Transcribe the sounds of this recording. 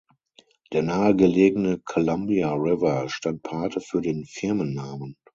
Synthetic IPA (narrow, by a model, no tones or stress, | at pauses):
d̥eːɐnaːəɡəleːɡənəkʰolambiaʁɪvɐʃtant̚pʰaɐtəfyːɐdeːnfɪɐmənːaːmən